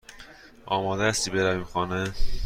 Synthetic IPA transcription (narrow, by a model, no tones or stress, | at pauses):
ʔɒːmɒːd̪eæst̪iːbeɾæviːmxɒːne